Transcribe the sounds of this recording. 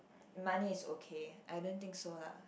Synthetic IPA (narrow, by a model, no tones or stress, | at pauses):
maniɪsokʰeʔajdõnt̪ĩŋksola̰